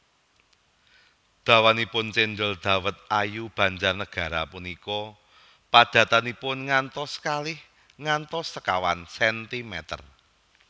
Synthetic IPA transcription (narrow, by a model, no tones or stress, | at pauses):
d̪̥ä̤wanipʊnt͡ʃendʊld̪̥ä̤wət̪̚ajub̥ä̤ɲt͡ʃarnəɡ̥a̤ɾapunikɔ | pad̪̥ä̤t̪anipʊnŋant̪ɔskalɪh | ŋant̪ɔsːəkawansɛnt̪imɛt̪ə̰r